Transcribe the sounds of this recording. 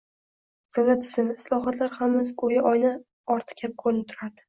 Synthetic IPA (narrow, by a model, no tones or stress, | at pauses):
sɪvad̪ɪ̥sɪnɪslˠɒɦɒt̪ʰlaɾhamɪzkojaʔɒjna | ɒɾt̪ʰɨ̥kʲʰap̚kʰolɪp̚t̪ʰʊɾaɾd̪ɪ̥